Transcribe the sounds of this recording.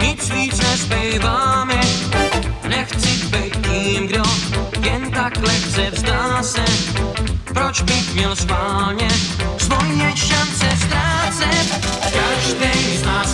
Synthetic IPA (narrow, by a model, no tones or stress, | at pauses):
ɲɪt͡sviːt͡snɛspɛjvaːmɛ | nɛxt͡sɪkbɛjt̪t̪iːmɡdojɛnt̪aklɛxt͡sɛvsd̪aːsɛt̪pɾot͡ʃbɪxmɲɛlspaːlɲɛsvojːɛʃant͡sɛfst̪ɾaːt͡sɛt̪kaʒd̪ɛj | na